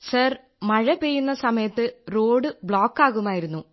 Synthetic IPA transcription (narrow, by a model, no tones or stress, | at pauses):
sɐr | mɐɻɐpeːjːunːɐsɐmɐjɐt̪ːɨroːɖɨbɭoːkːaːɣumaːjiɾunːu